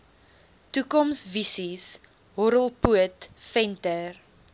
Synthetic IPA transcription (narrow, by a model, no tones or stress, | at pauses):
tukɔmsvisis | ɦɔɾəlˠpuətfɛntər